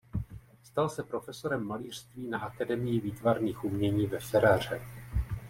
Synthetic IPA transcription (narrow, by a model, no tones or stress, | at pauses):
st̪alsɛpɾo̞fɛso̞ɾɛmːaliːr̝̥st̪viːnaʔakadɛmɪjɪviːt̪vaɾniːxʔumɲɛɲiːvɛfɛɾaːr̝ɛ